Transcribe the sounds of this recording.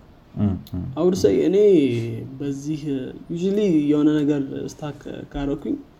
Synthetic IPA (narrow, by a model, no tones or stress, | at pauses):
ʔawɾsəjɨnebəzːihjuʒlijɛhonənəɡəɾɨ̰st̪ʰakʰaɾəkʰuɲ